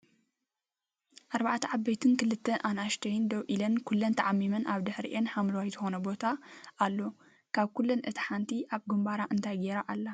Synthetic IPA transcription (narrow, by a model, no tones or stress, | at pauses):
ʔaɾbaʕt̪ʰɐʕabɐjt̪ʰɨnkɨlɨt̪ːɐʔanaʃt̪ʰɐjnd̪ɐwʔilːɐnkʰulːɐnt̪ʰaʕamːimɐnʔaβd̪ɨħɾḭʔenħamlɐwajzɨxonɐbo̞t̪ʰaʔːlːo | kʰaβkulːɐnʔɨt̪ʰħant̪ʰiʔaβɡɨmbaɾaʔɨnt̪ʰajɡeɾaʔalːa